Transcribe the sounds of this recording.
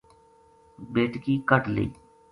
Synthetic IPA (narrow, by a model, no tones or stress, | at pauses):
beːʈkiːkəʈlḭː